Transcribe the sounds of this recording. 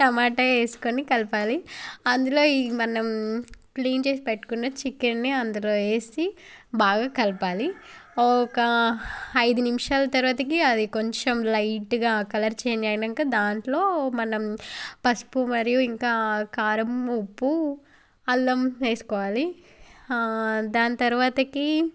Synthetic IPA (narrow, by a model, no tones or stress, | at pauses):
nɐmaːʈɐeːsu̥konikɐlpaːliɐnd̪ulo̞ːimɐnɐmpliːnt͡ʃe̞ːs̬ipeʈːu̥kunːɐt͡ʃikenniɐnd̪ɐlo̞ːe̞ːsi | baːɡaːkɐlpaːli | ɔkɐ | ɐjd̪unimʂaːlɐt̪ɐɾuʋaːt̪ɐkiɐd̪iko̞ɲt͡ʃemlɐjʈɡaːkɐlɐɾt͡ʃeɛːnd̪iaːjnɐŋkaːd̪aːɳʈlo̞ːmɐnɐmpɐspumɐɾijuiŋkaːkaːɾɐmupːu | ɐlːɐmt͡ʃeːsu̥kɔːʋaːli | d̪aːnɐt̪ɐɾuʋaːt̪ɐki